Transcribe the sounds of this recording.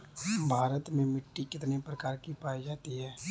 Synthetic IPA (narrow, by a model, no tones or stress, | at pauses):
bʱaːɾət̪mẽmɪʈːikɪt̪nepɾəkaːɾkipaːid͡ʒaːt̪iɦɛː